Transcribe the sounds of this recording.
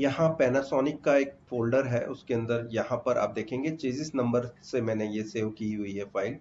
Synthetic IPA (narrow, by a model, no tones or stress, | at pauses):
jɐɦãpɛːnasɔːnɪkːaeːk̚foːlɖəɾɦɛʔʊskeɐ̃nd̪əɾjɐɦãpɐɾʔa̰ːp̚d̪eːkʰẽːŋɡet͡ʃeːzɪsnɐ̃mbəɾsemɛ̃ːnejeseːʋkiɦʊiɦɛfaːɪl